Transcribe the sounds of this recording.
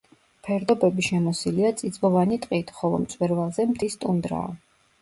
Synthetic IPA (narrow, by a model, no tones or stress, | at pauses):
pʰɛɾd̪ɔbɛbiʃɛmɔsiliat̪sʼid̪zbɔvanit̪ʼqʼit̪ʰχɔlˠɔ̰mt̪sʼwɛɾvalˠzɛmt̪ʰist̪ʼund̪ɾa̰ɔ̰